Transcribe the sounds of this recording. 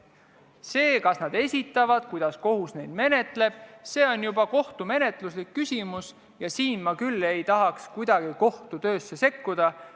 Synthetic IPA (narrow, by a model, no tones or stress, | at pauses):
se̞ːkɑsnɑd̪e̞sʲit̪ːˑɑvɑd̪̥̚kujd̪̥ɑsko̞ɦusnejd̪̥me̞ne̞t̪ˑle̞b̥̚se̞ːo̞njubɑko̞ht̪ume̞ne̞t̪ˑluslikːysʲimus | jɑsiːnmɑkylːe̞jt̪ɑɦɑkskujd̪̥ɑɡ̥iko̞ht̪ut̪ø̞ːsːe̞se̞kːud̪̥ɑ